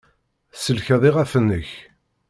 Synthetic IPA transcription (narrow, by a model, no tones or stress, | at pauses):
səlçæðˤɪʁæfənːəç